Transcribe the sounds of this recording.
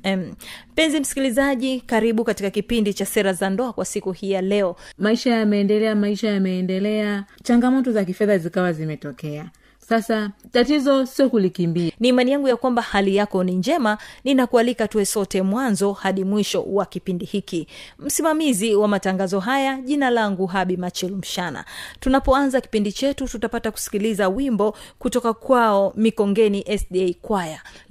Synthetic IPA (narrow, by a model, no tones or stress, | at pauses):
ɛm̩m̩pɛnzim̩si̥kilizaʄikaɾiɓukatikakipindit͡ʃasɛɾazandɔakwasikuhijalɛɔmaiʃajamɛːndɛlɛamaiʃajamɛːndɛlɛat͡ʃaŋɡamɔtɔzakifɛðazikawazimɛtɔkɛa | sasatatizɔsiɔkulikimbianiːmanijaŋɡujakwambahalijakɔniɲd͡ʒɛmaninakualikatuɛsɔtɛmwanzɔhaɗimwiʃɔ̰wakipindihikim̩simamiziwamataŋɡazɔɦajaʄinalaŋɡuɦaɓimat͡ʃɛlm̩ʃana̰tunapɔanzaki̥pindit͡ʃɛtututapataku̥si̥kilizawimbɔkutɔkakwaɔmikɔŋɡɛniʔɛsɗiɛkwaja